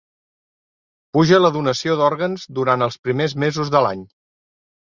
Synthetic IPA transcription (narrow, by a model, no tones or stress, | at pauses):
puʒələðunəsioðɔɾɣənzd̪uɾant̪əlˠspɾimezmezuzðəlaɲ